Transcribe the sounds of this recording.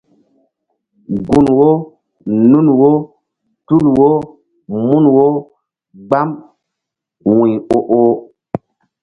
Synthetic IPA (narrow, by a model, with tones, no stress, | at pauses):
ɡu˨nwo˦ | nu˦nwo˦ | tu˦lwo˦ | mu˦nwo˦ | ɡ͡ba˦m | wĩ˨o˦ʔo˦